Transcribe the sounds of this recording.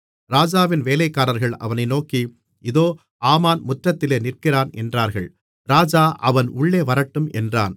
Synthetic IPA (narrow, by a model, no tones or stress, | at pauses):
ɾaːd͡ʒaːʋɪnʋeːlɐɪkːaːɾɐɾɣɐɭɐ̰ʋɐnɐɪnoːki | ɪðoː | aːmaːnmʊʈrɐt̪ːɪleːnɪrkɪraːnʔɛndraːɾɣɐ̰ɭ | ɾaːd͡ʒaːʔɐʋɐnʔʊɭːeːʋɐɾɐʈːɯmʔɛndra̰ːn